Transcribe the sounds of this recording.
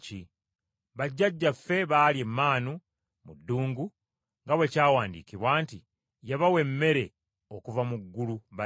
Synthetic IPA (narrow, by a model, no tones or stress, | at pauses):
i | βaɟːaɟːafe̞βaːlie̞mːaːnu | mudːuːŋɡu | ŋɡaβwe̞caːwaːndḭkiβwaːnti | jaβawe̞mːe̞ɾe̞ | okuvamuɡːuluβa